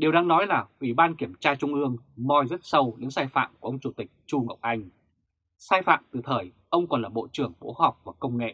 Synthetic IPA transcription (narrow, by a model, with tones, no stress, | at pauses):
ɗi˨˩əwɗaː˧ŋnɔ˨˦jlaː˨˩ʔwi˧˩ɓaː˧nki˧˩əmt͡ɕaː˧t͡ɕʊ˧ŋ͡mʔɨ˧əŋmɔ˧jzə˦˥t̚sə˧wɗɨ̰˨˧˦ŋsaː˧jfa̰ː˧˨mku˧˩ə˧wŋ͡mt͡ɕu˧˩t̪ï˨˩k̟̚t͡ɕu˧ŋə˨˩wk͡p̚ʔa˧jŋ̟ | saː˧jfa̰ː˧˨mt̪ɨ˨˩t̪ʰəː˨˩j | ʔə˧wŋ͡mkɔ˨˩nlaː˨˩ɓo̰˧˨t͡ɕɨ˨˧˩əŋɓo̰˧˥hɔ˨˩wk͡p̚vaː˨˩kə˧wŋ͡mŋḛ˧˨